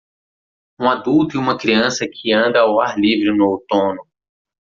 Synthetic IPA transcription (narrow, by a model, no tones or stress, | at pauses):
ũad̪uwt̪ʊiũmɐkɾiɐ̃sɐkʰɪɐ̃nd̪ɐawaɾlivɾɪnʊawt̪õnʊ̃